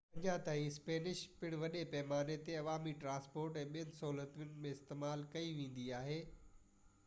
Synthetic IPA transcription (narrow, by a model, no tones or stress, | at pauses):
ɐ̃ɲãt̪aːĩspeːnɪʃpɪɽ̃ʋɐɗepɛɦmaːnet̪eɐʋaːmiʈɾãːspoːɾʈɛ̃ːɓijənɪ̆sɐɦuːlət̪jʊnɪ̆mẽɪst̪eːmaːlkɐiʋẽːn̆d̪iaːɦeː